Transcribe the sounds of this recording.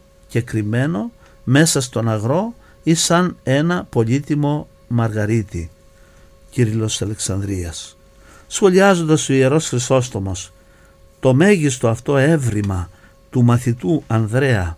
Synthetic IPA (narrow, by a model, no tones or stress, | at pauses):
ce̞kɾime̞no̞ | me̞sɐst̪o̞nɐɣɾo̞ | isɐne̞nɐpo̞ʎit̪imo̞ | mɐɾɣɐɾit̪ḭ | ciɾilo̞sɐle̞ksɐnd̪ɾiɐsː | xo̞liɐzo̞nd̪ɐso̞ie̞ɾo̞sxɾiso̞st̪o̞mo̞s | t̪o̞me̞ʝist̪o̞ɐft̪o̞e̞vɾimɐ | t̪umɐθit̪uɐnðɾe̞ɐ